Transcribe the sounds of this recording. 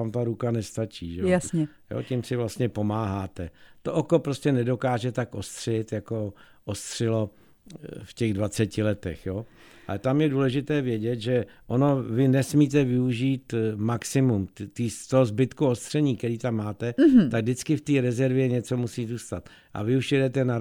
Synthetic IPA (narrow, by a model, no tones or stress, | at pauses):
amt̪aɾukanɛst̪at͡ʃiːʒɛjasɲɛ | jo̰ːcimsɪvlast̪ɲɛpo̞maːɦaːt̪ɛt̪oʔoko̞pɾoscɛnɛdo̞kaːʒɛt̪akʔost̪r̝̥ɛɪt̪jako | ʔost̪r̝̥ɪlo̞ | fcɛɣdvat͡sɛcɪlɛt̪ɛxjoː | ʔa̰lɛt̪amjɛduːlɛʒɪt̪ɛːvjɛɟɛt̪ʒɛʔono̞vɪnɛsmiːt̪̬ɛvɪuʒiːt̪maksɪmumt̪iːst̪oɦozbɪt̪kuo̞st̪r̥ɛɲiːkɛɾiːt̪amːaːt̪ɛt̪aɡ̚dɪt͡skɪft̪iːɾɛzɛɾvjɛɲɛt͡so̞musiːzuːst̪at̪ | ʔa̰vɪuʃjɛdɛt̪ɛna